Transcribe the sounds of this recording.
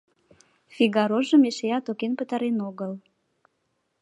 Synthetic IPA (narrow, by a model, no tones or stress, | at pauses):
fiɣɑɾoʒəmeʃejɑt̪okenpət̪ɑɾenoɣəl